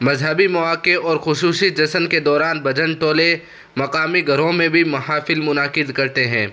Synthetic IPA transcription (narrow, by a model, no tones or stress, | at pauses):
mɐzɦəbimɐʋaːkeɔːɾxʊsuːsid͡ʒɐsənked̪ɔːɾaːnbɐd͡ʒəɳʈ̪oːle | mɐqaːmiɡʱɐɾõmẽbʱimɐɦaːfɪlmʊnaːqɪd̪kɐɾt̪eɦɛ̰̃ː